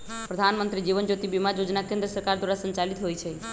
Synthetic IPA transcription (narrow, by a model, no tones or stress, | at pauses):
pɾəd̪ʱanmənt̪ɾid͡ʒiʋənd͡ʒot̪ibimajod͡ʒnakẽnd̪ɾəsəɾkaɾd̪waɾasənt͡ʃalit̪ɦojt͡ʃʰɛ